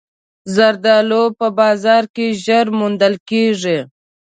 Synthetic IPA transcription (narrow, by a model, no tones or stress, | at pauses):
zaɾd̪ɑlopəbɑzɑɾkeʒəɾmund̪əlkeʐi